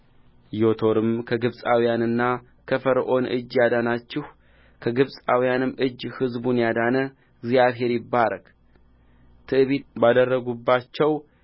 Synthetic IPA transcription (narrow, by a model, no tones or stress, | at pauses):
jo̞t̪ʰo̞ɾɨmkʰəɡɨβsʼawjanɨnːa | kʰəfəɾʔo̞nɨ̰d͡ʒːjad̪anat͡ʃːɪh | kʰəɡɨβsʼawijanɨmʔɨd͡ʒːhɨzbunjad̪anə | ɡzijaβɦe̞ɾjɪbːaɾə̰k | t̪ʰɨʔβet̪̚bad̪ərːəɡubːat͡ʃːɛw